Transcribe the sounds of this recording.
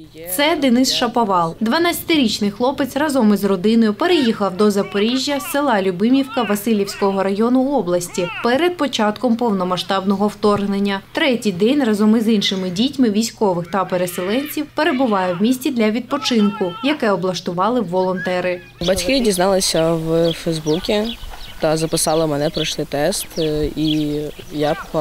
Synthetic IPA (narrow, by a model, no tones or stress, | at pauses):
t̪sɛd̪ɪnɪsʃɐpɔʋɑlˠd̪ʋɐnat͡sʲɐ̥t̪ɪɾʲit͡ʃnɪjxlˠɔpɪt͡s̪rɐzɔmɪzrɔd̪ɪnɔjʊpeɾejixɐwd̪ɔzɐpɔɾʲiʒʲjɐsɪlˠɑlʲʊbɪmʲiwkɐʋɐsɪlʲiwsʲkɔɦɔɾɐjɔnʊɔblˠɐsʲtʲipɛɾed̪̚pɔt͡ʃɑt̪kɔmpɔwnɔmɐʃt̪ɑbnɔɦɔwt̪ɔrɦnenʲːɐt̪ɾɛtʲijd̪ɛnʲrɐzɔmɪzinʃɪmɪdʲitʲmɪʋʲijsʲkɔʋɪxt̪ɐpeɾeselˠɛnʲt͡sʲiwpe̞ɾe̞bʊʋɑjɛwmʲisʲtʲid̪lʲɐʋʲid̪̚pɔt͡ʃɪnkʊjɐkɛɔblˠɐʃt̪ʊʋɑlˠɪwːɔlˠɔnt̪ɛɾɪ | bɐtʲkɪdʲiznɑlˠɪsʲɐwfɛjzbukʲit̪ɐzɐpɪsɑlˠɪmɛnɛpɾɔʃlɪt̪ɛst̪i | ja